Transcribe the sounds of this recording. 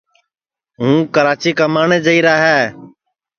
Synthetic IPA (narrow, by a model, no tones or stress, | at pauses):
ɦũːkəɾaːt͡ʃiːkaːmaːɳeːd͡ʒəiːɾaːɦɛː